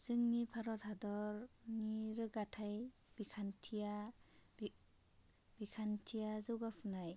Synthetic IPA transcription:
z̥ɯŋnipʰaɾɔthadɔɾniɾɯɡatʰaj | b̥ikʰantʰija | b̥ikʰantʰijazɯwɡapʰɯnaj

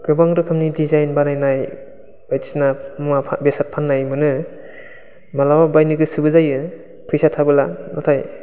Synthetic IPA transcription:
ɡ̥ɯbaŋɾɯkʰɯmnidizajnbanajnaj | bajti̥snamabesat̚pʰanːajmɯnɯ | malawabajnɯɡɯsɯbɯzajɯ | pʰɯjsatʰabɯlanʔatʰaj

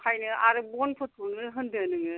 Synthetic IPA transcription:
kʰajnɯʔaɾɯbɔnpʰɯt̚unɯɦɯndɯnɯŋɯ

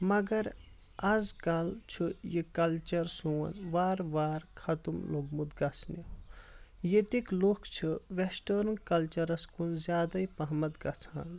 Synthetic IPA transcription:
mɐɡɐɾ | ɐzkɐlt͡ʃʰujikɐlt͡ʃɐɾsuːɐ̰nʋaːɾʋaːɾkʰɐt̪umloɡmut̪ɡɐt͡sʰni | jet̪iklokt͡ʃʰiʋesʈɐɾɨnkɐlt͡ʃɐɾɐskunzjaːd̪ɐjpɐɦmɐt̪ɡɐt͡sʰaːn

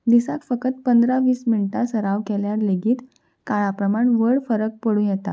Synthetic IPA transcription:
d̪isakfəkət̪̚pənd̪ɾaʋiːsmiɳʈasəɾaʋkɛljaɾleɡiːt̪ | kaɭapɾəmaɳʋəɭfəɾək̚pəɽũːjɛt̪a̰

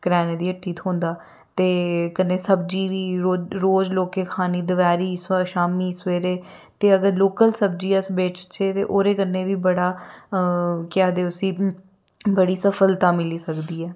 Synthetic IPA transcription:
kɾɛːneːd̪iːəʈʰːiːt̪ʰõːnd̪aː | t̪eːkənːeːsəb̚d͡ʒiːʋiːoɾoːd͡ʒloːkeːkʰaːniːd̪əʋɛːɾiːsʃaːmiːsʋeːɾeː | t̪eːəɡəɾloːkəlsəb̚d͡ʒiːəsbeːt͡ʃt͡ʃʰeːt̪ḛːʔoːɾeːkənːeːʋiːbəɽaː | kɪaːd̪eːʊsĩː | bəɽiːsəfʰəlt̪ãːmɪliːsəkd̪iːɛː

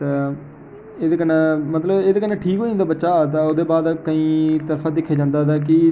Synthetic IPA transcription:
t̪eː | eːd̪eːkənãːmət̪ləbeːd̪eːkəɾnãːʈʰiːkɦõːnd̪aːbətːʃaːt̪aoːd̪eːbaːd̪kəĩːt̪əfʰaːd̪ɪkʰːeːd͡ʒãːnd̪aːd̪aːkɪ

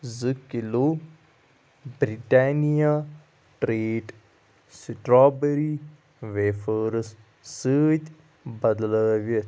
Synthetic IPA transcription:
zɨkilo | bɾiʈaːnija | ʈɾeːʈ | siʈɾaːbeɾi | ʋefəɾɨs | səːt̪ʲ | bɐd̪ləːʋə

